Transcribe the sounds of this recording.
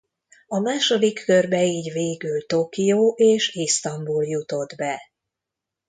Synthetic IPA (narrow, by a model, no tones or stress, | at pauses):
ɒmaːʃo̞d̪ikʰːørbɛiːɟveːɡylt̪oːkijoːʔeːʃist̪ɒmbuljut̪o̞d̪bɛ